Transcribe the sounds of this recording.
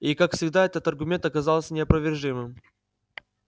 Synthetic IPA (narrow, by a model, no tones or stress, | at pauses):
ikakfsʲɪɡd̪aɛt̪ət̪ɐrɡʊmʲe̞nt̪ɐkɐzalˠsʲənʲɪɐpɾəvʲɪrʐɨmɨm